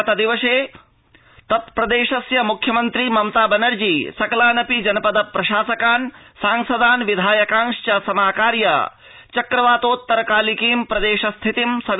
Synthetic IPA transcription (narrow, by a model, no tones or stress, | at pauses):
t̪ɐd̪iʋɐʃeː | t̪ɐt̪̚pɾɐd̪eːʃɐsjɐmukʰjɐmɐnt̪ɾimɐmt̪aːbɐnɐɾd͡ʒiːsɐkɐlaːnɐpid͡ʒɐnɐpɐd̪ɐpɾɐʃaːsɐkaːn | saːŋsɐd̪aːnʋid̪ʱaːjɐkãːŋʃt͡ʃɐsɐmaːkaːɾjɐ̰ | t͡ʃɐkɾɐʋaːt̪oːt̪ːɐɾɐkaːlikiːmpɾɐd̪eːʃɐst̪ʰit̪imsɐʋ